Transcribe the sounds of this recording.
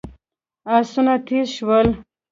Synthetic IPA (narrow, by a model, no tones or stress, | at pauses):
asunat̪ʰiʃwəl